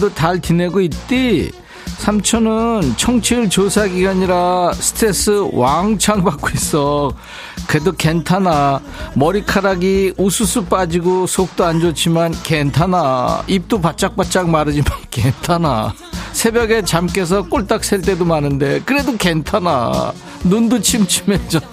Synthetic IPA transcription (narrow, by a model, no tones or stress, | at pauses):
dotaɭtine̞ɡoit̚t͈i | sʰamt͡ɕʰʌnɯnt͡ɕʰʌŋt͡ɕʰiɯɭt͡ɕosʰaɡiɡaɲiɾasʰɯ̥tʰɾe̞s͈ɯwaŋt͡ɕʰaŋbak͈ois͈ʌ | kɯɾedoke̞ntʰana | mʌɾikʰaɾaɡiusʰusʰup͈ad͡ʑiɡosʰok̚t͈oand͡ʑot͡ɕ͈imankentʰanaip̚t͈opat̚t͡ɕ͈ak̚p͈at̚t͡ɕ͈ak̚maɾɯd͡ʑimankentʰana̰ | sʰe̞bjʌɡe̞t͡ɕamk͈e̞s̬ʰʌk͈oɭt͈ak̚s͈eɭt͈e̞domanɯnde̞kɯɾe̞doke̞ntʰana̰ | nundot͡ɕʰimt͡ɕʰimed͡ʑʌ